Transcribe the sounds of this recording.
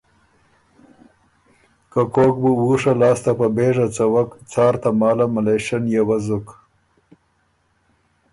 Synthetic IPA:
kakok̚buwuʂalɑːst̪apabeːʐat͡sawakt͡sɑːɾt̪amɑːlamaleʃanjawazʊk

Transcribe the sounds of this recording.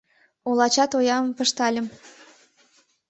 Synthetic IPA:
olˠɑt͡ɕɑt̪ojɑmmpə̆ʃt̪ɑlʲə̆m

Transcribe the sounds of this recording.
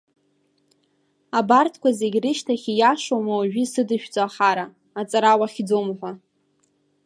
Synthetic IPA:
abartʰkʷʰaze̞ɡʲrɨʃtʰaχʲijaʂowmawaʒᶣisɨdɨʃᶣd͡zʼoaχaɾa | at͡sʼaɾawaχʲd͡zomħʷa

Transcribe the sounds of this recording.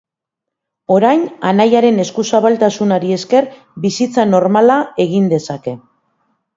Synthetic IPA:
o̞ɾajnanajaɾe̞ne̞skusaβalt̪asunaɾie̞ske̞r | bisit͡sano̞ɾmalae̞ɣ̞ind̪e̞sake̞

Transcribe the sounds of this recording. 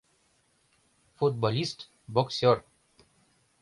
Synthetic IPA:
fuʈ̚bɔlisʈ | bɔksjɔɾ

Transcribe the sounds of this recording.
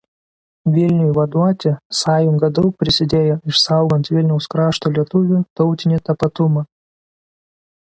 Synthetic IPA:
ʋʲɪlʲnʲɪjʊʋɐd̪ʊɑːt̪ʲɪsɑːjʊŋɡɐd̪ɔʊk̚pʲɾʲɪsʲɪd̪ʲeːjɔɪʃsɑˑʊɡɔnt̪ʋʲɪlʲnʲɛʊskɾɑːʃt̪ɔlʲiɛt̪ʊʋʲʊt̪ɔʊt̪ʲɪnʲɪt̪ɐpɐt̪ʊmɐ

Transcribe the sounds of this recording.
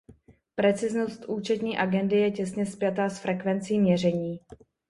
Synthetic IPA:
pɾɛt͡sɪzno̞st̪ʔuːt͡ʃɛt̪ɲiːʔaɡɛndɪjɛcɛsɲɛspɪjat̪aːsfɾʔɛkvɛnt͡siːmɲɛr̝ɛɲiː

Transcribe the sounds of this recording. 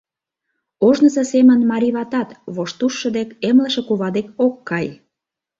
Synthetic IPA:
oʒnəsəsemənmɑɾʲiβɑt̪ɑt̪βoʃt̪uʃːə̆d̪ekemlə̆ʃĕkuβɑd̪ekokːɑj

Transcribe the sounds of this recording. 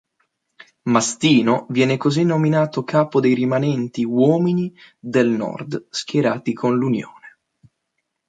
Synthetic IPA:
mast̪iːnovjɛːnekozinːominaːt̪okʰaːpod̪ejɾimanɛnt̪iwɔːminid̪elnɔ̰rd̪skjeɾaːt̪ikʰonlunjo̰ːne

